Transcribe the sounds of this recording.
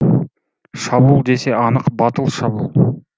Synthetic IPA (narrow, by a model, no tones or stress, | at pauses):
ʃɑbuːlˠd̪e̞se̞ɑnəqbɑt̪əlˠʃɑbulˠ